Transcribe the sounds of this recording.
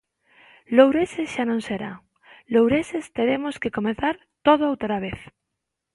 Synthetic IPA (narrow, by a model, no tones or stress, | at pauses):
lowɾeseʃanõŋseɾa̰ | lowɾesest̪eɾemoskekomeθaɾ | t̪oðoowt̪ɾaβeθ